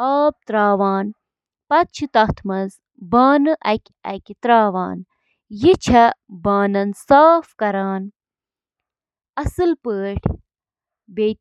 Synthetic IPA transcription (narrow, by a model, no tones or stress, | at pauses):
aːp̚t̪ɾaːʋaːn | pɐt͡ʃʰɨt̪ɐt̪ʰmɐz | baːnɨʔɐkʲ | ɐ̰kʲit̪ɾaːʋa̰ːn | jit͡ʃʰɐbaːnɐnsaːfkɐɾaːn | ɐsɨlpəːʈʰ | beː